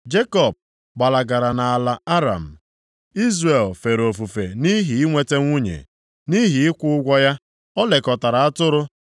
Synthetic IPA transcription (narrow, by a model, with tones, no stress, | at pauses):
d͡ʒe˦kɔ˨b̚ | ɡ͡ba˨la˨ɡa˨ɾa˨na˨a˨la˨a˦ɾa̰˨m̩˨ | i˦zre˨lfe˨ɾo˨fu˨fe˨ni˦ɦi˨i˦ŋʷe˦˨te˦ŋʷu˦ɲḛ˨ | ni˦ɦi˨ɪ˦kʷʊ˦ʊ˦ɡʷɔ˦ja˦ | ɔ˦le˨kɔ˨ta˨ɾa˨a˦tʊ˦ɾʊ˦